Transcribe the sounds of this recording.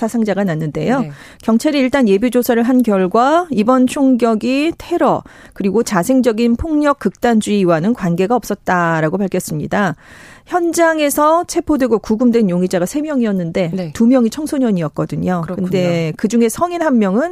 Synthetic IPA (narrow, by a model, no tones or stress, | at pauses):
sʰasʰaŋd͡ʑaɡananːɯnde̞jo | kjʌŋt͡ɕʰaɾiiɭt͈anje̞bud͡ʑosʰaɾɯɭɦankjʌɭɡwaibʌnt͡ɕʰoŋɡjʌɡitʰe̞ɾʌ̰ | kɯɾiɡot͡ɕasʰe̞ŋd͡ʑʌɡinpʰoŋɲʌk͈̚ːɯk̚t͈and͡ʑuiiwanɯnkwanɡe̞ɡaʌp̚s͈ʌt̚t͈aɾaɡopaɭkʰjʌs͈ɯmɲḭdaçjʌnd͡ʑaŋe̞sʰʌt͡ɕʰe̞pʰodwe̞ɡokuɡɯmdwe̞njoŋid͡ʑaɡasʰe̞mjʌŋiʌnːɯnde̞ntumjʌŋit͡ɕʰʌŋsʰoɲʌɲiʌt̚k͈ʌdɯɲokɯnde̞kɯd͡ʑuŋe̞sʰʌŋinɦammːjʌŋɯn